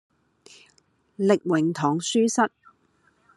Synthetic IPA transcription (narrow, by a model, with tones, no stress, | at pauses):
lɪ˨k̚wɪ˨˩ŋt̪ʰɔː˨˩ŋsyː˥sɐ˥t̚